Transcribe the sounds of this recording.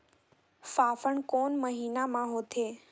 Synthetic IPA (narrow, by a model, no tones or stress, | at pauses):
faːfəɳkoːnməɦiːnamãɦoːt̪ʰeː